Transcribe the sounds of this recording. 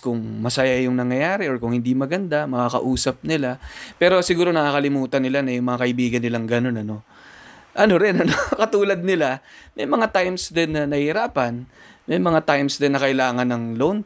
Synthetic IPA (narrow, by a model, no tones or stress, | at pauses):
kʊŋmɐsɐjajʊŋnɐŋjɐjaːɾɛʔo̞ɹkʊŋhɪnd̪imɐɡɐnd̪amɐkakɐ̰ʔuːsɐp̚nɪlapɛːɾo̞sɪɡuːɾo̞nɐʔakɐlɪmuːt̪ɐnːɪlanɐjʊŋmɐŋakɐʔɪbiːɡɐnːɪlaŋɡɐno̞nɐno̞ | ʔɐno̞ɾɪnɐno̞kɐt̪uːlɐd̪̚nɪlamɐjmɐŋat̪ajmsd̪ɛnːɐnɐhɪɾaːpɐn | mɛjmɐŋat̪ajmsd̪ɛnːɐkɐʔɪlaːŋɐnːɐŋlown